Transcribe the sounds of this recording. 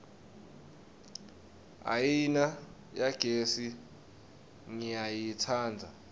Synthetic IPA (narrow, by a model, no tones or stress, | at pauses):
a̰jina | jaɡ̥ʱesi | ŋijajitʰaːnd͡zʱa